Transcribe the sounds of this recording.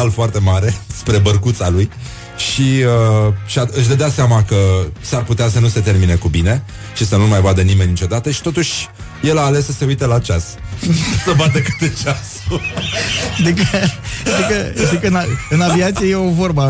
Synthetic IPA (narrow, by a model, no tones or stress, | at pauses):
alfoart̪e̞maɾe̞spɾe̞bərkut̪saluj | ʃiəʃiaɨʃʲd̪əd̪aseamakəsarput̪easənuse̞t̪e̞rminekubine̞ | ʃisənumajvad̪ənime̞nʲːit͡ʃo̞d̪at̪əʃi̥t̪o̞t̪uʃʲ | je̞laːlesːəse̞ujt̪elat͡ʃas | səvad̪əkɨ̥t̪et͡ʃasu | d̪ekət̪ikət̪ikəɨnaɨnaviat̪sijejeovo̞rba